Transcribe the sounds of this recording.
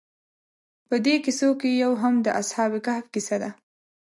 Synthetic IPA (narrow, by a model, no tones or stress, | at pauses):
pəd̪ekisokejawɦamd̪əʔashɑbikahfkisad̪a